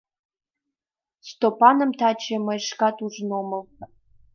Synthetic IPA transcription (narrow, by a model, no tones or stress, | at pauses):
stʰopʰanɨmtʰaːt͡ʃʰɐmɐʂkatʰuʐnomɨl